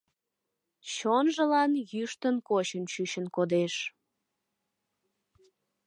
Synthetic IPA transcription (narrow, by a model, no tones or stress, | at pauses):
t͡ɕonʒəlɑnjyʃt̪ənkot͡ɕənt͡ɕyɕənkod̪eʃ